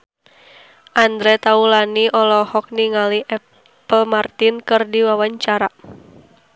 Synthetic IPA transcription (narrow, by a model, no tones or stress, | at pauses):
ʔand̪ɾɛt̪aulaniʔɔlɔhɔk̚niŋaliʔɛ | pəlmart̪inkɨrdiwawaɲt͡ʃaɾa